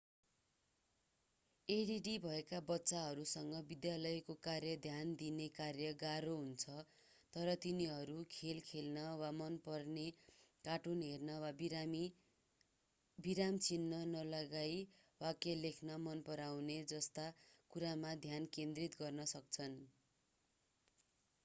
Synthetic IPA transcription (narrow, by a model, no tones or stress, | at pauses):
eɽiɖibʱʌekabʌtːsaɦʌɾusʌŋɡʌbid̪jalʌjkokarjʌd̪ʱjand̪inekarjʌɡaɾoɦunt͡sʰʌ | t̪ʌɾʌt̪iniɦʌɾukʰelkʰelnʌwamʌnpʌrnekaʈunɦernʌwabmi | biɾamt͡sinːʌnʌlʌɡaj | wakelekʰnʌmʌnpʌɾawned͡zʌst̪akuɾamad̪ʱjankend̪rit̪ɡʌrnʌsʌk̚t͡sʰʌn